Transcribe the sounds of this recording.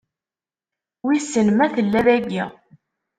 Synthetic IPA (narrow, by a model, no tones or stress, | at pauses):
wisːənmæθəlːæɾæɡi